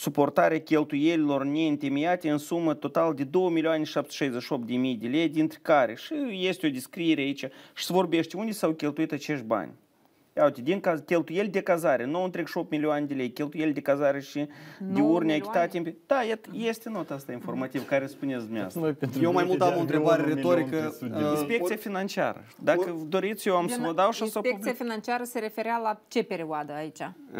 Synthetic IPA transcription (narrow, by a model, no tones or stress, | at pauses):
supo̞rt̪aɾʲeakʲe̞lt̪uje̞lʲilo̞rnʲe̞ɨnt̪emijat̪eɨnsumət̪o̞t̪ald̪e̞d̪o̞wəmilʲioanʲeʃap̚t̪ʃajzʲeʃio̞p̚t̪d̪emijd̪elʲe̞jd̪ʲint̪ɾʲekaɾʲeʃije̞st̪ʲo̞d̪iskɾije̞ɾʲeait͡ʃʲaʃi̥svo̞rbe̞ʃt̪ʲund̪esawkʲe̞lt̪uit̪at͡ʃe̞ʃt̪̚ʲba̰nʲ | awt̪ʲed̪ʲiŋkazkʲe̞lt̪uje̞lʲd̪ekazaɾenuawɨnt̪ɾeɡʃo̞p̚t̪milʲioaned̪ʲelʲe̞jkʲe̞lt̪uje̞lʲd̪ekazaɾeʃid̪eurnʲait̪at̪ʲimped̪̥ajet̪je̞st̪ʲenot̪ast̪ainfo̞rmat̪ivkaɾespunesd̪umʲea̰st̪ajewmajmulˠt̪əamont̪ɾebaɾeɾet̪oɾikəinspe̞k̪siafinant͡ʃia̰ɾə̰d̪akəd̪o̞ɾit̪sjewamsəmod̪awʃasapekt̪siafinant͡ʃiaɾəse̞ɾe̞fe̞ɾealat͡ʃe̞pe̞ɾiwad̪əait͡ʃʲa